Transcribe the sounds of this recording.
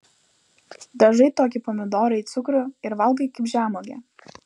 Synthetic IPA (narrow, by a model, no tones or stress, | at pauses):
d̪ɐʒɐɪt̪oːk̬ʲɪpɔmʲɪd̪oːɾɐɪit̪sʊkɾʊɪɾʋɐlˠɡɐɪkɪpʲʒʲæːmoɡʲɛ̰ːˑ